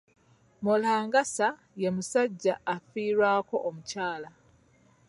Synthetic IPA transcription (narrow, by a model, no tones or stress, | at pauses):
molaːŋɡasa | jemusaɟːaːfiːɾwaːko̞ʔomucaːla